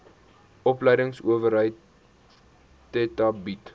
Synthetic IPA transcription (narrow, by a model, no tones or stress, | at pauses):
ʔɔpləjdəŋsuəvəɾɦəjt | ɛtɐbit